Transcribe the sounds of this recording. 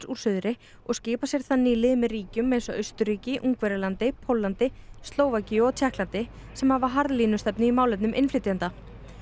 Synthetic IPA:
suɾ̥sʏðɾɪ | ɔɣscɪːpasjɛɾ̥θaðniːlɪðmɛðriːcʏmːejnsɔʔœɥst̪ʏɾiːcɪʔuŋkvɛɾɪlant̪ɪpʰowlːant̪ɪst̪loːwvaciɔt̪ʰjɛhklant̪ɪ | sɛmhavaɦaɾðliːnʏst̪ɛpnɪimaːwlɪpnʏmʔɪnflɪːt̪iant̪a

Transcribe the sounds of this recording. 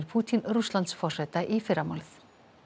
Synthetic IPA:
ɾpʰuːt̪ʰɪnɾuslɑnt̪sfɔʂɛt̪aʔifɪɾamɔlθ

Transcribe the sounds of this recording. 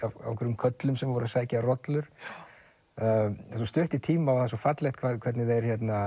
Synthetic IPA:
ava̰wkʰɛɾʏmkʰœt̪lʏmsɛmvɔɾasvaːjcarɔt̪lʏɾ̥ | asɔst̪ʏht̪it̪ʰiːmawθasɔfat̪lɛjht̪kʰvakʰvɛt̪nɪðɛɾ̥çɛt̪na

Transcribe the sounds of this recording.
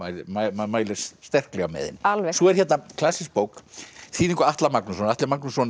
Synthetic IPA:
ajmaamaːjlɪɾsst̪ɛr̥klɛɣamɛ̰ːðɪ̰nalvɛsɔɛɾ̥çɛt̪nakʰlasːɪsk̚poːwkθiːðĩŋkʏɾaht̪lamaknusɔnaht̪lɪmaknusɔn

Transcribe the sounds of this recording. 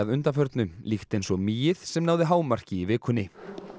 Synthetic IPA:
aðʏnt̪afœɾt̪nʏmlixt̪ejnsɔɣmiːjɪð̥sɛmnaːwðɪɦaːwmar̥cɪivɪːkʰʏnːɪ

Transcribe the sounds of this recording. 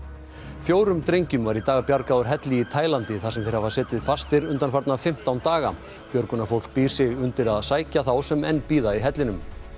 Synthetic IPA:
fjoːwɾʏmt̪ɾejɲcʏmvaɾit̪aːɣapjaɾkaːwʏɾ̥ɦɛt̪lɪit̪ʰaːjlant̪ɪθasɛmθejɾ̥havasɛːt̪ɪðfast̪ɪɾʏnt̪anfaɾt̪nafɪm̥t̪awnt̪aːɣa | pjœɾkʏnafowl̥k̚piːɾ̥sɪɣʏnt̪ɪɾaðsaːjcaθawsɛmɛnːpiːðaiɦɛt̪lɪnʏm

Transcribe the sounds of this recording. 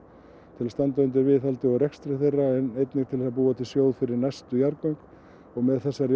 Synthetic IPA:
t̪ʰɪlast̪ant̪aʏnt̪̬ɪɾvɪðalt̪ɪɔɣɾɛkst̪ɾɪθejrːaɛnejt̪nɪŋ̚t̪ʰɪlɛsapuːat̪ʰɪlsjoːwðfɪɾɪɾnajst̪ʏjaɾkowŋk̪ | ɔɣmɛðθɛsːaɾj

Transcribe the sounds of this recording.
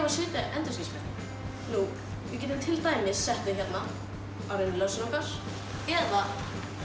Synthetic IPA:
vasɪːt̪ɪʔɛnt̪ʏsismɛ | nu | vɪcɛːt̪ʏmt̪ʰɪlt̪aːjmɪsːɛht̪vɪçɛt̪na | awɾejnɪlœnsʏnɔkaɾ̥ | ɛða

